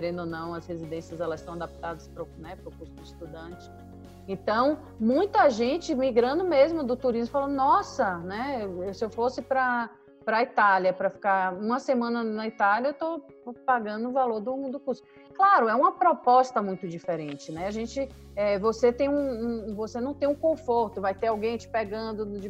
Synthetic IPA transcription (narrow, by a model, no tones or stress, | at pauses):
keɾẽnd̪onɐ̃w̃ɐshezid̪ẽsiɐzɛlɐzsɐ̃w̃ad̪ap̚t̪ad̪ɐspɾʊnɛpɾʊkuɾsʊist̪ud̪ɐ̃nt͡ʃɪ̥ | ẽt̪ɐ̃w̃ | mũj̃t̪ɐʒẽt͡ʃɪmiɡɾɐ̃nd̪ʊmezmʊd̪ʊt̪uɾizmʊfalɐ̃nd̪ʊnɔsɐnɛewewsɪewfosɪpɾɐ | pɾɐit̪aljɐpɾɐfi̥kaɾũmɐsemɐ̃nɐnɐit̪aljɐewt̪o | paɡɐ̃nd̪ʊ̃valoɾd̪ʊ̃d̪ʊkuɾsʊ | klaɾʊɛũmɐpɾɔpɔst̪ɐmũj̃t̪ʊd͡ʒifeɾẽnt͡ʃɪnɛaʒẽnt͡ʃɪ | ɛvoset̪ẽj̃ũũvosenɐ̃w̃t̪ẽj̃ũkõfoɾt̪ʊvajt̪eɾawɡẽj̃t͡ʃɪ̥pɛɡɐ̃nd̪ʊd͡ʒɪ